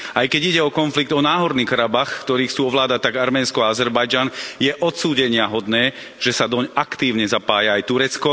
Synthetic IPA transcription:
ajkɛɟiɟɛɔkɔnfliɡ̚d̪ɔnaːɦɔɾniːkaɾabaxkt̪ɔɾiːxt͡suːɔʋlaːd̪at̪ːaɡaɾmɛːnskɔaazɛɾbajd͡ʒanjɛʔɔt̪suːɟɛɲɪaɦɔd̪nɛː | ʒ̥ɛsad̪ɔɲakt̪iːʊɲɛzapaːjaajt̪uɾɛt͡skɔ

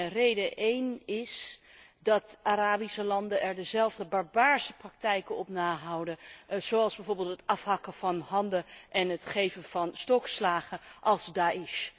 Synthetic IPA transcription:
rejdəʔejnɪs | dɑtaɾaːbisəlɑndənʔɛɹdəzɛlˠvdəbɑɹbaːɹsəprɑk̚tɛjkənɔpnaːɦʌwdəz̥owɑlˠzbɛjvoːɹbɪːlˠtətɑfɦɑkəv̥ɑnɦɑndəʔɛnɦətχejvəv̥ɑnstɔkslaːχəʔɑlˠzdaːɪʃ

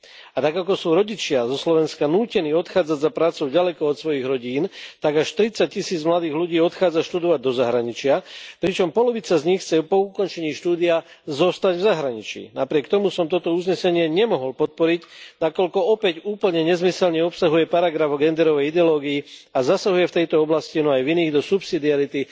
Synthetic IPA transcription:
at̪aɡakɔsuːɾɔɟit͡ʃɪazɔslɔʋɛnskanuːcɛniːɔt̪xaːd͡zaɟzapɾaːtt͡sɔʊɟalɛkɔɔt̪sʋɔjiɣɾɔɟiːnt̪aɡaʃt̪ɾit͡sac̚cːisiːd͡zmlad̪iːɣluɟiːɔt̪xaːd͡zaʃt̪ud̪ɔʋaɟ̚d̪ɔzaɦɾaɲit͡ʃɪapɾit͡ʃɔmpɔlɔʋit͡sazɲixt͡sɛpɔukɔnt͡ʃɛɲiːʃt̪uːd̪iazɔst̪aɟvzaɦɾaɲit͡ʃḭːnapɾɪɛkt̪ɔmusɔmt̪ɔt̪ɔuzɲɛsɛɲɪɛɲɛmɔɦɔlpɔt̪̚pɔɾicnakɔʎkɔɔpɛɟuːpl̩ɲɛɲɛzmisɛlɲɛɔpsaɦujɛpaɾaɡɾavɔɡɛnd̪ɛɾɔʋɛjid̪ɛɔlɔːɡiiazasaɦujɛft̪ɛjt̪ɔɔblascinɔajviniːɣd̪ɔsupsid̪iaɾit̪i

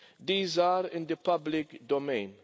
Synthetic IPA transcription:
d̪iːzaːɾɪ̃nd̪ɪpɐblɪkd̪ɔmɛjn

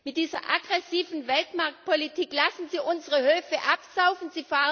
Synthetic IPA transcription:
mɪt̚d̥iːzɐ̰ʔaɡʁɛsiːvn̩vɛltmaɐk̚t̚pʰolitʰiːklasn̩ziːʔʊnzəʁəhøːfəʔapz̥aʊfn̩ziːfaːʁ

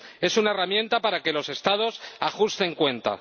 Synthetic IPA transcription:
e̞sunae̞ramje̞nt̪apaɾake̞lo̞se̞st̪að̞o̞saxust̪e̞ŋkwe̞nt̪a̰

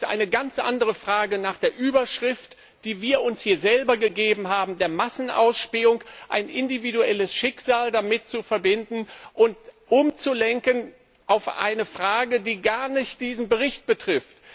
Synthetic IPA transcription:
tʔa̰ɪnəɡant͡sʔa̰ndəʁəfʁ̥aːɡənaːχd̥eːɐʔyːbɐʃʁ̥ɪft | d̥iːviːɐʊnshiːɐzɛlbɐɡəɡeːbm̩ɦaːbm̩deːɐmasn̩ʔa̰ʊsʃpeːʊŋʔa̰ɪnʔɪndividuɛləsʃɪkz̥aːldamɪt̚t͡sufɛɐbɪndn̩ʔʊntʔʊmt͡sulɛŋkən | ʔaʊfʔa̰ɪnəfʁ̥aːɡədiːɡaɐnɪçt̚d̥iːzn̩bəʁ̞ɪçt̚b̥ətʁ̥ɪft

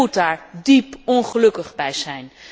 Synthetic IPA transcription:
utaːɹdipɔnχəlɵkəχbɛjzɛjn

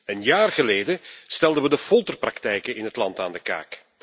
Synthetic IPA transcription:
ənjaːrɣəleːdəstɛlˠdəʋədəfɔlˠtərprɑktɛjkənɪnɦətlɑntaːndəka̰ːk

